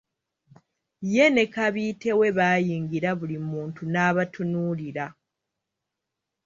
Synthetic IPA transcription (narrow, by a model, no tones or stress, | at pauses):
je̞ne̞kaβiːte̞we̞βaːjiːŋɡiɾaβulimuːntunaːβatunuliɾa